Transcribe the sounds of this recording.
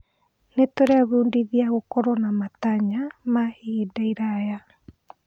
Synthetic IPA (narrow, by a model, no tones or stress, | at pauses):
netoɾaβuːndiðiaɣokɔɾɔnamataɲamahiːdaiɾaja